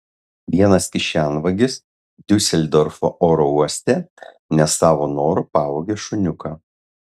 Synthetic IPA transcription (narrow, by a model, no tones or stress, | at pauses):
ʋʲiɛnɐskʲɪʃʲænʋɐɡʲɪs | d̪ʲʊsʲɛlʲd̪ɔɾfoʔoːɾɔuɔsʲt̪ʲɛ | nʲɛsːɑːʋoːnoːɾʊpɑːʋoːɡʲeːʃʊnʲʊkɐ